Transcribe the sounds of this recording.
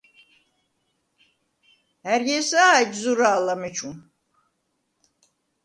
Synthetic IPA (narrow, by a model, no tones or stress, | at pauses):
hæɾɟesad͡ʒzuɾaːlˠamet͡ʃʰum